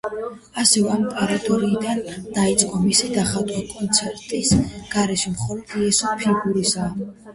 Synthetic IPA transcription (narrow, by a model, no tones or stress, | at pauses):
asɛvɛampʼaɾat̪ʼɔɾiːd̪and̪ait̪sʼqʼɔmisid̪aχad̪ʼwakʼɔnt̪sʰɛɾt̪ʼisɡ̥aɾɛʃɛmχɔlɔd̪̥iɛsɔpʰiɡuɾisaː